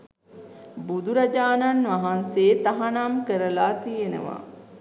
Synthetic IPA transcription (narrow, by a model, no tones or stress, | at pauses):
bud̪uɾad͡ʒaːnanʋaɦanseːt̪aɦanamkəɾəlaːt̪ijenə̰ʋa̰